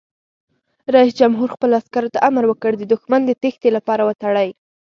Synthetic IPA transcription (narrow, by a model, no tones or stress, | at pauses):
ɾaisd͡ʒamɦuɾxpəlaskaɾot̪aʔamaɾwəkəɽd̪əd̪ʊxmand̪ət̪ext̪elapɑɾawət̪aɽaj